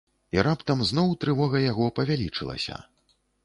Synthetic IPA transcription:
iɾapt̪ɐmznɔwt̪ɾɨvɔɣɐjaɣɔpɐvʲalʲit͡ʂɨlˠɐ̰sʲɐ̰

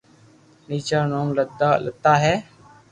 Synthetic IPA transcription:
niːt͡ʃaːnoːŋləd̪aːlət̪ːaːɦɛː

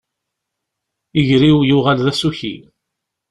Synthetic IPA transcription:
iʝɾiwjuʁalðæsuçḭ

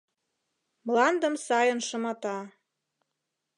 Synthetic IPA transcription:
mlɑnd̪ə̆msɑjənʃə̆mɑt̪ɑ

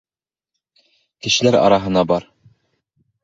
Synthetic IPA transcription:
kɘ̆ʃɘ̆læɾɑ̰ɾɑɦɤ̆nɑbɑɾ

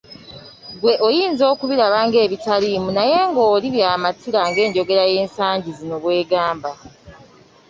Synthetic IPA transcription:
ɡwe̞ʔo̞jiːnzo̞ːkuβiɾaβaŋɡe̞ːβitalimunaje̞ŋɡo̞ːliβjaːmatiɾaŋɡe̞ːɲɟo̞ɡe̞ɾaje̞ːnsaːɲɟizino̞βwe̞ːɡaːmba

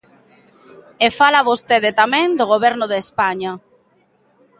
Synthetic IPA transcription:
efalaβost̪eðet̪amẽŋd̪oɣoβ̞ɛɾnoðespaɲa

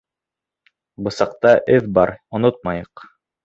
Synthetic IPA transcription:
bɤ̆sɑq̚t̪ɑʔɘðbɑɾŏnot̪̚mɑjɤq

